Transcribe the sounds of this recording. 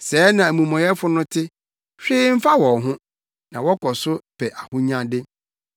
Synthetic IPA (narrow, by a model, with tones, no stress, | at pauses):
sɛː˨˦nã˨æ˨mũ˨mɔ̃˨jɛ˦fʊ˦nʊ̃˦tʰɪ˦ | ɕᶣɪː˦m̩˦fa˦wɔ˨ɦʊ̃˦ | nã˨wɔ˦kʰɔ˨sʊ˦pʰɛ˨ʔa˨hʊ˦ɲã˦dɪ˦